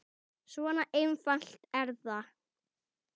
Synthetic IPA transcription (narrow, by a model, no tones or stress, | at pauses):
svɔnaʔejmfan̥l̥t̪ɛɾθa